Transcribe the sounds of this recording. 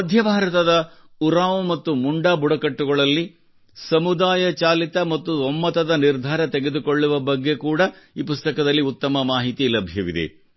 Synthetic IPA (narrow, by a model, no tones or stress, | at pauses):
ɐd̪ʱjɐbʱaːɾɐt̪ɐd̪ɐ | uɾaːmumɐt̪ːumuɳɖaːbuɽɐkɐʈːuɡɐɭɐlːi | sɐmud̪aːjɐt͡ʃaːlit̪ɐmɐt̪ːuɔmːɐt̪ɐd̪ɐniɾd̪ʱaːɾɐt̪eɡe̞d̪ukoɭːuʋɐbɐɡːe̞kuːɽɐiːpust̪ɐkɐd̪ɐlːiut̪ːɐmɐmaːɦit̪ilɐbʱjɐʋid̪ḛ